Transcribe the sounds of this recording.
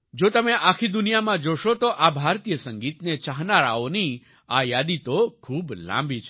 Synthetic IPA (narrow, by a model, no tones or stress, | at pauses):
d͡ʒot̪əmeʔakʰid̪unijamãd͡ʒoʃot̪oʔabʱaɾt̪ijəsə̃ŋɡit̪net͡ʃaɦnaɾaoni | ajad̪it̪okʰuːblã̰mbʱit͡ʃʰ